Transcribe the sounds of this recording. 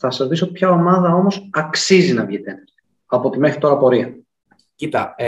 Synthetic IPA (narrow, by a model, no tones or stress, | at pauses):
θɐsɐzðisopçɐo̞mɐðɐo̞mo̞sɐksizinɐvʝit̪enɐ | ɐpo̞t̪imexɾit̪o̞ɾɐpo̞ɾiɐ | it̪ɐ